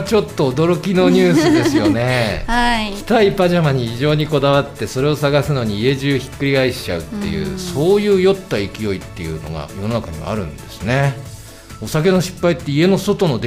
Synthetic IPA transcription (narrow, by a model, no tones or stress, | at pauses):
t͡ɕo̞t̪ːo̞ːd̪o̞ɾo̞kʲino̞ɲ̟ɨːsɨd̪e̞sɨjo̞̰ne̞akʲi̥t̪aipaʑamaɲ̟içiʑo̞ːɲ̟iko̞d̪aβat̪ːe̞so̞ɾe̞o̞saɡasɨno̞ɲ̟iːe̞ʑɨːçi̥kːɯ̟ɾʲiɡaiɕi̥t͡ɕa̰ɯ̟t̪ːe̞̰jɯ̰ːso̞ːjɯ̟ːjo̞t̪ːaikʲijo̞it̪ːe̞jɯ̟̰ːno̞̰ɡa̰jo̞no̞nakaɲ̟iβa̰a̰ɾɯ̟̰̃nd̪̥e̞sɨne̞ | o̞sak̬e̞no̞ɕi̥pːait̪ːe̞ie̞no̞so̞t̪o̞no̞d̪